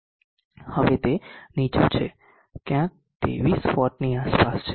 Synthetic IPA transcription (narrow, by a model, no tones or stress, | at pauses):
həʋet̪enit͡ʃə̰t͡ʃʰe | kjãk̚t̪ḛʋisfɔʈ̚niaspast͡ʃʰe